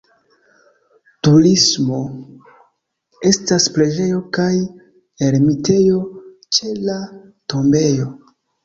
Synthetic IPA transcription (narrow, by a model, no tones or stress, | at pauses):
tuɾismo̞ | e̞staspɾe̞d͡ʒe̞jo̞kaj | e̞ɾmite̞jo̞ | t͡ʃe̞la | to̞mbe̞jo̞